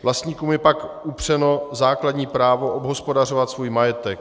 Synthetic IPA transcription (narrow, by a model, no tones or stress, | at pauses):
vlast̪ɲiːkuːmjɛpakupr̝̥ɛno̞zaːkladɲiːpɾaːvo̞ʔobɦo̞spo̞dar̝o̞vat̪svuːjmajɛt̪ɛk̚